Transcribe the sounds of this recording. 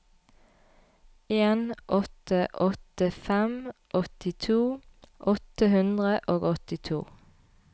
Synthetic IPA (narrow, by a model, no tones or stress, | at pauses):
eːnʔɔt̪əʔɔt̪əfɛmʔɔt̪ɪt̪ʰuːʔɔt̪əhʉnd̪ʁəʔoːɡɔt̪ɪt̪ʰṵː